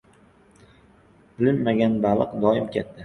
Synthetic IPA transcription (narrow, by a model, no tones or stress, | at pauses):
b̥ɪlɪnːaɡʲanbalˠɨqd̪ɒɪmkʲʰet̪ʰːa